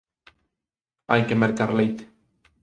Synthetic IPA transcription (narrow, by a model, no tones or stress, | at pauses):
ajkemeɾt̪aɾlejt̪